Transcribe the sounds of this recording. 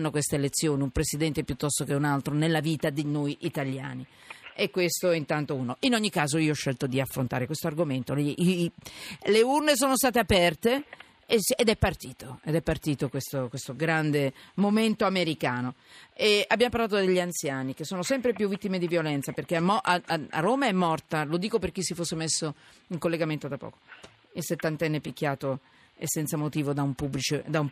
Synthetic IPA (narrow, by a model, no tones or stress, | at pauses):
nːokwest̪eelet̪sːjoːniumpɾesid̪ɛnt̪epjut̪ːɔst̪ok̟eunalt̪ɾonelːaviːt̪ad̪inojʔit̪alja̰ːni | ekːwest̪oint̪ant̪ouːnoinoɲːikːaːzoiːoɔʃːɛlt̪od̪iafːɾont̪aːɾekwest̪oarɡoment̪oli | leurnes̬oːnost̪aːt̪eapɛrt̪e | esed̪ɛpːart̪iːt̪oed̪ɛpːart̪iːt̪okwest̪okwest̪oɡɾand̪emoment̪oameɾikaːnoeabːjamop̬arlaːt̪od̪eʎːiant̪sjaːnikesːoːnosɛmpɾepjuvːit̪ːimed̪ivjolɛnt̪saperk̟eamɔʔaaa̰roːmaɛmːɔrt̪alod̪iːkoperk̟isːifosːemesːo | iŋkolːeɡament̪od̪apːɔ̰ːko̥ | ilset̪ːant̪ɛnːepik̟ːjaːt̪o | ḛsːɛnt̪samot̪iːvod̪aumpubːlit͡ʃed̪aum